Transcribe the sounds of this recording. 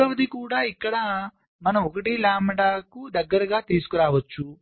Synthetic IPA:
ɐʋɐd̪ikuːɽaːikːɐɽɐ | mɐnɐmɔkɐʈilaːmɐɽaːkud̪ɐɡːɐɾɐɡaːt̪iːsu̥kuɾaːʋɐt͡ʃːu

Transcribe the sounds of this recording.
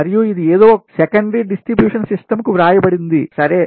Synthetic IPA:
ɐɾijuid̪ieːd̪o̞ːsɛkɐɳɖɐɾiɖisʈɾibjuːʂɐnsisʈɐmkuʋɾaːjɐpɐɽind̪isɐɾeː

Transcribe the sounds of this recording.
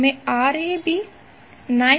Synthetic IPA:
mẽaːɾebʱi | naː

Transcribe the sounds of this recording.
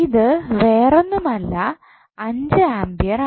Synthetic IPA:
iðɨʋeːrenːumɐlːɐ | ɐɲd͡ʑɨaːmbijɐr

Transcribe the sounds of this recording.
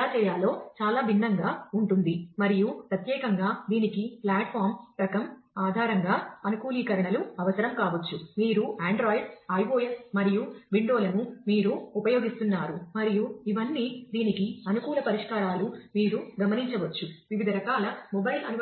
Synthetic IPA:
aːt͡ʃɛːjaːlo̞ːt͡ʃaːlaːbʱinːɐŋɡaːuɳʈund̪imɐɾijupɾɐt̪jɛːkɐŋɡaːd̪iːnikiplaːʈpʰaːɾmpɾɐkɐmaːd̪ʱaːɾɐŋɡaːɐnukuːliːkɐɾɐɳɐluɐʋɐsɐɾɐmkaːʋɐt͡ʃːumiːɾuʔaːɳɖɾoːjɖɐjboːesmɐɾijuʋiɳɖoːlɐnumiːɾuupɐjo̞ːɡist̪unːaːɾumɐɾijuiʋɐnːiːd̪iːnikiɐnukuːlɐpɐɾiʂkaːɭaːlumiːɾuɡɐmɐniɲt͡ʃɐʋɐt͡ʃːuʋiʋid̪ʱɐɾɐkaːlɐmɔbɐjlɐnu

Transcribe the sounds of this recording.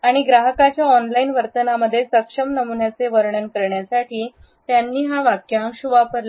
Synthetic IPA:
aɽ̃iɡɾaɦəkat͡ɕjaɔnlainʋəɾt̪ənaməd̪ʱːjesəkʂəmnəmunjat͡seʋəɾɳənkəɾɳjasaʈiː | t̪janːiːɦaʋakjãŋɕuʋapəɾl

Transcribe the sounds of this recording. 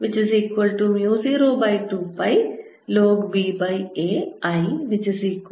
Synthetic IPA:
ʋɪt͡ʃziːkːəlʈuːmjoːziːɾoːbaːiʈuːpaːi | loːɡbiːbaːieːaːĩʋɪt͡ʃsiːk

